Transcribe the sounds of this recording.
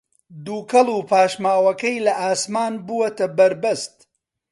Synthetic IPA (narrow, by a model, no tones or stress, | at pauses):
d̪uːkɐlˠuːpʰaːʃmaːwɐkɐjlɐʔaːsmaːnbuwɐt̪ɐbɐɾbɐst̪